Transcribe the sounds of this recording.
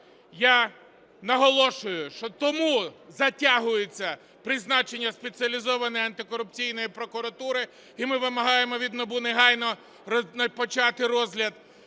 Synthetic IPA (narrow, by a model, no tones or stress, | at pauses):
ja | nɐɦɔlˠɔʃʊjʊʃt͡ʃɔt̪ɔmuzɐtʲaɦʊjet͡sʲːɐ | pɾɪznɑt͡ʃenʲːɐspet͡sʲiɐlʲizɔʋɐnɔjɐnt̪ɪkɔɾʊp̚t͡sʲijnɔjipɾɔkʊɾɐt̪uɾɪ | imɪʋɪmɐɦɑjemɔʋʲid̪nɔbuneɦɑjnɔ | nɐpɔt͡ʃɑt̪ɪɾɔzɦlʲɐd̪